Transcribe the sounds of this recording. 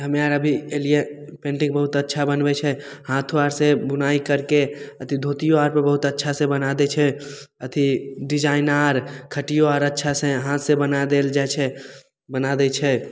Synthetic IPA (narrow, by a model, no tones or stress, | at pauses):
ɦəmẽaɾəbʱieliepẽːɳʈɪ̃ŋ̚bəɦʊt̪ətːʃʰabənbɛt͡ʃʰɛhãːt̪ʰoaɾsẽbʊnaikəɾkeət̪ʰid̪ʱot̪ijoaːɾpəɾbəɦʊt̪ətːʃʰasẽbənad̪ɛt͡ʃʰɛ | ət̪ʰiɖɪd͡ʒaːɪnaɾkʰəʈijoaɾətːʃʰaseɦãːt̪ʰsebənad̪eld͡ʒat͡ʃʰɛ | bənad̪ɛt͡ʃʰɛ